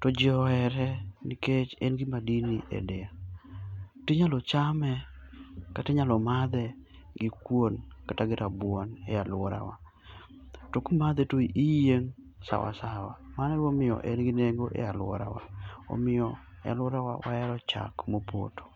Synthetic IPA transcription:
tɔd͡ʒɪɔɛɾɛniket͡ʃɛnɡɪmadiniʔḛdea | tɪɲalɔt͡ʃamɛ | katɪɲalɔmad̪ɛ | ɡɪkwonkataɡɪɾabwɔnealʊwɔɾa̰wa | tokumad̪ɛtoiʔijeŋ | sa̰wa̰sawamanɛwomɪɔ̰ʔɛnɡɪneɡoʔḛalwɔ̰ɾa̰wa̰o̰mɪɔ̰ | a̰lwɔɾawa̰waɛɾɔt͡ʃa̰kmopo̰tʰo̥

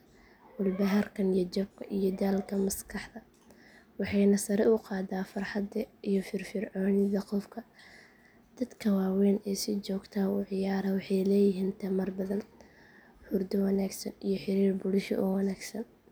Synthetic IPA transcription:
wʊlbɐɦɐrkʰɐnijɐd͡ʒɔbkʰɐʔijɔd̪aːlkʰɐmɐskʰɑħd̪ɐ | wɑħɑjnɐsɐɾɛʊqɑːd̪aːfɐrħɑd̪ɐʔijɔfɪrfɪrʕɔːnɪðɐqɔfkʰɐ | d̪̥ɐd̪kʰɐwɑːwɛːnɛːsɪt͡ʃɔːɡt̪ʰaːʊʕɪjaːɾɐwɑħɑjlɛːjɪɦiːnt̪ʰɐmɐrbɐðɐn | ħʊrd̪ɐwɑnaːɡsɐnijɔħɪɾiːrbʊlʊʃɔ̰ʔɔwɑnaːɡsɐn

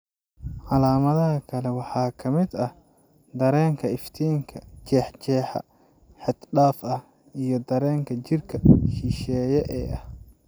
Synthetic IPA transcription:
ʕɑlaːmɐðɐɦɐkʰɐlɛwɑħɑːkʰɐmɪd̪ɐh | d̪ɐɾɛːŋkʰɐɪft̪ʰiːŋkʰɐd͡ʒɛːħt͡ʃɛːħɑ̰ | ħɪd̪ɖaːfɐh | ijɞd̪ɐɾɛːŋkʰɐt͡ʃɪrkʰɐʃiʃɛːjɛʔɛːɐh

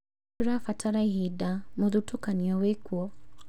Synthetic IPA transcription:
ɾafataɾaiɦidamɔðutukaniɔwekuɔ

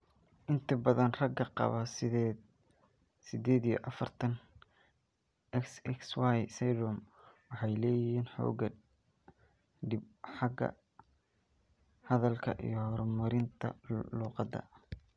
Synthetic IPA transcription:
ʔɪnt̪ʰɐbɐðɐnrɐɡɐqɑ̰βɐ | sɪd̪ɛːd̪ijɞ̰ʔɑfɐrt̪ʰɐn | ʔɛksɛkswajsɛdɔm | wɑħɑjlɛːjɪhiːnħɔ̰ːɡɐ | ɖɪbħɑɡɐ̰ | hɐðɐlkʰɐʔḭjɞhɔɾmʊɾɪnt̪ʰɐ̰luːqɑd̪ɐ̰

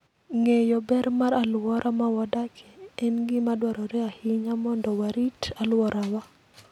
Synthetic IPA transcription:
ŋejɔbɛɾmaɾalwɔɾʔamawɔdakʰɛɛnɡɪmadwaɾɔɾɛahɪɲamɔndɔwaɾitalwɔɾawa

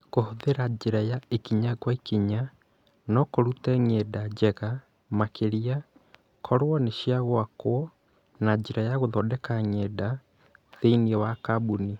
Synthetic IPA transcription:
kohoðeɾad͡ʑeɾajaekiɲakwaikiɲa | nɔkoɾutɛŋɛdad͡ʑɛɣa | makʰeɾia | kʰɔɾwɔneʃiaɣwakwɔ | nad͡ʒeɾajaɣoðɔdɛkaŋɛda | ðeiniɛwakabuni

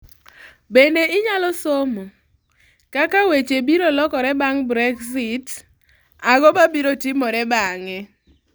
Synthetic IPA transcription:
bendeɪɲalɔsomo | kakawet͡ʃebiɾolɔkɔɾɛbaŋbɾɛksit | aɡɔbabiɾotimɔɾɛbaŋɛ

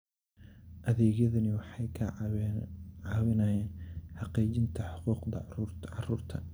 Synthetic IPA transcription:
ʔɐðɛːɣjɐðɐnɪwɑħɑjkʰ | ʕɑːβɪnɐːjɛːnħɑqiːt͡ʃɪnt̪ʰɐħʊquːqd̪ɐ̰ʕɑ̰ruːrt̪ʰɐ̰

